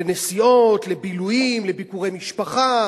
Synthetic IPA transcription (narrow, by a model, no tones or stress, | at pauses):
enesio̞t̪lebilujimlebikuʁejmiʃpaχa